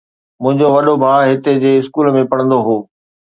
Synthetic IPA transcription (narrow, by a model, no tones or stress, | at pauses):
mʊ̃ɦɪ̃ɲd͡ʑoʋɐɗobʱaːɦɪt̪ed͡ʑeːɪskuːlmẽpɐɽ̃ə̃nd̪oɦoː